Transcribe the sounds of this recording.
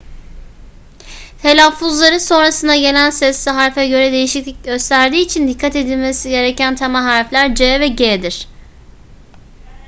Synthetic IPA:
t̪ʰe̞lʲafuzlˠaɾɯso̞nɾasɯnd̪aɟe̞lʲænsɛsːiɦaɾfɛɟø̞ɾɛd̪e̞jiʃiclʲic̚ɟø̞st̪ʰæɾd̪iːt͡ʃʰind̪ikʰːat̪e̞d̪ilʲmesiɟe̞ɾe̞cænt̪ʰamaɦaɾflʲæɾd͡ʒɛːvɛɟeːd̪iɾ̥

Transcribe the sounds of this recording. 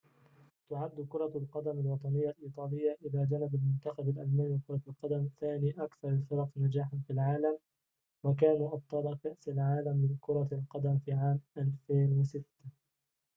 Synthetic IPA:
t̪ʊʕad̪ːʊkʊɾˤɑlqɑd̪amalwɑt̪ˤɑnɪjːalʔiːt̪ˤɑːlɪjːaʔɪlaːd͡ʒanɪbalmʊnt̪ɑxɑbalʔalmaːnwɪkʊɾˤɑlqɑd̪amθaːniːʔakθɑɾˤfɪɾˤɑqnad͡ʒaːħanfilʕaːlam | wak̬aːnuːʔɑb̚t̪ˤɑːlɑkaʔsalʕaːlamːɪnkʊɾˤɑlqɑd̪amfiːʕaːmʔalfeːnwasɪt̪ːa

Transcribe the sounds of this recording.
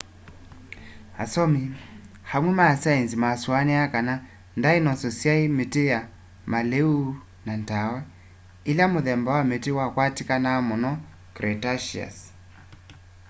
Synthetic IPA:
ha̰sɔmi | hamwɛmasainzimaswaniakana | ndainɔsɔsiaimeteja | maleu | nantawa | ilamoðɛmbawametiwakwatikanaːmɔnɔ | kɾɛtaʃia̰s

